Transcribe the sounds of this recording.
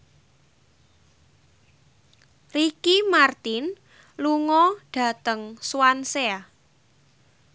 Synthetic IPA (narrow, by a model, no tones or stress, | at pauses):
rikimart̪ɪn | luŋɔɖ̥ä̤t̪əŋswansea